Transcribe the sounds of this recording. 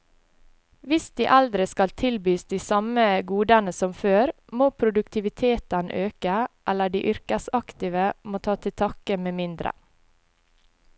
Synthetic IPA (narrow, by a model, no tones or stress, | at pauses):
ʋɪsd̪iːʔɑld̪ɾɪskɑlt̪ʰɪlbyːsd̪iːsɑməɡuːd̪ɑnəsɔmføːɾ | moːpʰɾʊd̪ʉkt̪ʰɪʋɪt̪ʰeːt̪ən̰ʔøːkəʔɛləɖḭːʔʏɾkəsɑkt̪ɪʋəmoːt̪ʰɑːt̪ʰɪt̪ʰɑːkəmeːmɪnd̪ɾə̰